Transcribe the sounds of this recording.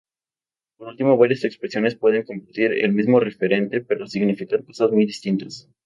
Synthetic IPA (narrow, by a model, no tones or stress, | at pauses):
poɾult̪imo̞βaɾjase̞kspɾesjo̞ne̞spwe̞ð̞e̞ŋko̞mpaɾt̪iɾḛlmizmo̞re̞fe̞ɾe̞nt̪e̞peɾo̞siɣnifikaɾko̞sazmujðist̪int̪as